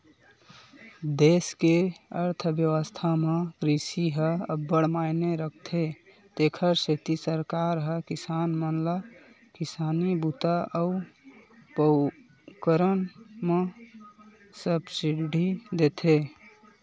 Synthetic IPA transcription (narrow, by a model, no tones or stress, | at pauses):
d̪eskeəɾt̪ʰbjəwəst̪ʰamekɾisiɦəəbːəɽ̤majneɾək̚ʰt̪ʰe | t̪ekʰəɾset̪isəɾkaɾɦəkisanmənla | kisanibut̪aʔəu | pə | kəɾənme | səbsiɖʱid̪et̪ʰe